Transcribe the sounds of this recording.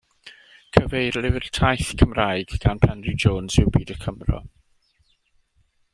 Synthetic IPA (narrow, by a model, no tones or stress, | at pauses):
kʰəvejrlˠɪvɪrtʰajθkʰəmraːɨɡ̥ɡ̥anpʰɛnrɪd͡ʒoːnzɪwbiːdəkʰəmrɔ̰